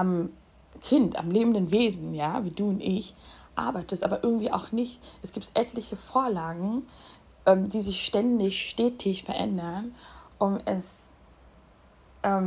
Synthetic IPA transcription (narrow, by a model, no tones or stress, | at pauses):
ʔam | kʰɪnta̰mleːbmn̩dənveːzn̩jaːviːduːʊntʔɪçʔa̰ɐbaɪtəɛstʔaːbɐʔɪɐɡŋ̩tv̥iːʔa̰ʊxnɪçtʔɛsɡ̥iːp̚tʔɛtʰlɪçəfoːɐlaːɡŋ̩ | ʔɛːmdiːzɪçʃtɛndɪçʃtɛːtʰɪçfɛɐʔɛ̰ndɐnʔʊmɛs | ʔɛːm